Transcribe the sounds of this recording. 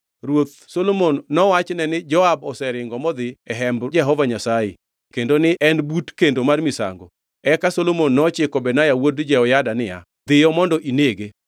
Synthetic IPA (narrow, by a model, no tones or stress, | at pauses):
ɾwot̪̚ | solomonːɔwat͡ʃnɛnɪd͡ʒɔabɔsɛɾɪŋɡɔmɔd̪ɪɛɦɛmbd͡ʒɛɦɔvaɲasajḛ | kendonɪʔɛnbutkendomarmɪsa̰ŋɡo̰ | ɛkasolomonːɔt͡ʃɪkɔbɛnajawodd͡ʒɛɔjadanɪja̰ | d̪ɪjɔmɔndɔʔineɡe